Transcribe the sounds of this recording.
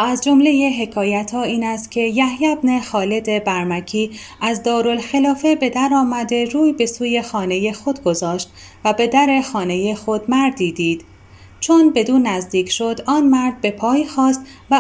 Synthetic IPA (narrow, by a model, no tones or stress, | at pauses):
æzd͡ʒo̞mle̞je̞ɦe̞kʰɒːjæt̪ʰɒːiːnæst̪̚cʲʰe̞jæhjæbne̞xɒːled̪e̞bæɾmæcʰiː | æzd̪ɒːɾo̞lxelɒːfe̞be̞d̪æɾɒːmæd̪e̞ɾuːjbe̞suːje̞xɒːne̞je̞xo̞d̪ɡo̞zɒːʃt̪ | væbe̞d̪æɾe̞xɒːne̞je̞xo̞d̪mæɾd̪id̪iːd̪̥ | t͡ʃʰonbe̞d̪uːnːæzd̪iːcʰʃo̞d̪ɒːnmæɾd̪̚be̞pʰɒːjxɒːst̪ | væ